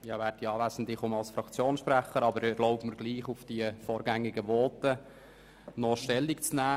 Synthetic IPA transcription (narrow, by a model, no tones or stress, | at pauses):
jɑːʋæɾd̚diɑːʋæːsən̩d̪ɪχʊmɑlsfɾɑkt͡sjoːnsʃpræχəɾɑbəɾɛɾlɔʊbməɾɡliːχʊfd̥iəfɔːɾɡæŋːɪɡəʋɔːt̪ə | nɔʃtɛlːikt͡snæː